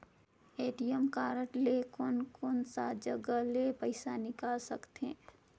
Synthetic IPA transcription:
eːʈijəmkaːɾəʈlekʊnkʊnsad͡ʒəɡəlepəɪsanɪkaːlsɐkt̪eː

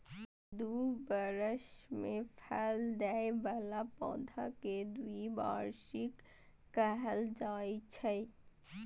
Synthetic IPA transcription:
d̪ubəɾəʃmẽpʰɛld̪ɛebalapɔ̰̃ːd̪ʱaked̪uiba̰ːɾʃikː | əɦəld͡ʒaːit͡ʃʰəi

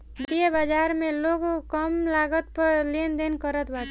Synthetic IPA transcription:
d̪iebad͡ʒaɾmẽloɡkəmlaɡət̪̚pəɾlend̪enkəɾət̪bat̪

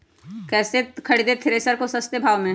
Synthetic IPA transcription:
kɛːsekʰɐɽid̪et̪ʰɪɾesəɾkosɐst̪ebʱaːʋmẽ

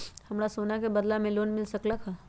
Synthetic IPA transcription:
hɐmɾasoːnakebəd̪lamẽloːnmɪlsəklakʰa

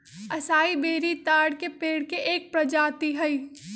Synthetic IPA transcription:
ɐsaːibeːɾit̪aːɽkepeːɽkeʔeːk̚pɾɐd͡ʒaːt̪iɦɐiː

